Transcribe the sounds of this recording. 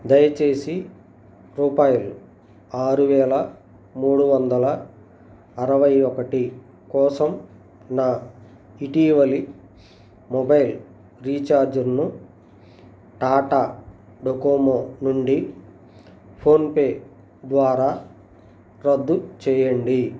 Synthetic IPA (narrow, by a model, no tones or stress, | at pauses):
d̪ɐjɐt͡ʃe̞ːsi | ɾuːpaːjulu | aːɾuʋɛːlɐ | muːɽuʋɐnd̪ɐlɐ | ɐɾɐʋɐjɔkɐʈi | kɔːsɐm | naː | iʈiːʋɐli | mɔbɐjl | ɾiːt͡ʃaːɾd͡ʒɐɾnu | ʈaːʈaː | ɖokoːmoːnuɳɖi | pʰo̞ːnpe̞ː | d̪ʋaːɾaː | ɾɐd̪ːut͡ʃɛːjɐɳɖi